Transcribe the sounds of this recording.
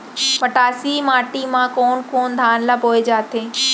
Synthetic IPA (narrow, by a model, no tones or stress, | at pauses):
pɐʈaːsimaːʈimãkoːnkoːnd̪ʱaːnlabʱoːed͡ʑaːt̪ʰeː